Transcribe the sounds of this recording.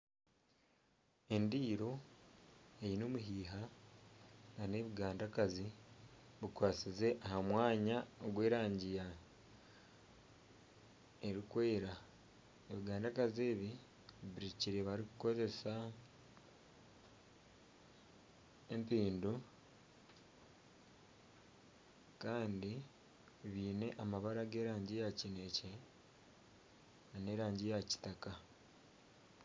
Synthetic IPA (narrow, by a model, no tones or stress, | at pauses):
e̞ndiːɾo̞ | e̞jino̞ːmuɦiːɦa | nane̞βiɡaːndakazi | βukwaːt͡size̞ʔaɦamwaːɲaoɡwe̞ːɾaːɲɟija | e̞ɾikwe̞ːɾa | eβiɡaːndakaze̞ːβi | βiɾiciɾeβaɾikuko̞ze̞sa | empiːndu | kaːndi | βiːne̞ʔamaβaɾaɡeːɾaːɲɟijacine̞ce | nane̞ɾaːɲɟijaci̥taka